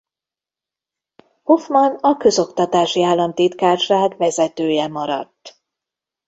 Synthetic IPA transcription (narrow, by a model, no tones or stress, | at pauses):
ho̞fmɒnɒkø̞zo̞kt̪ɒt̪aːʃiaːlːɒmt̪iːt̪kaːrʃraːkvɛzɛt̪øːjɛmɒɾɒ̰t̪ː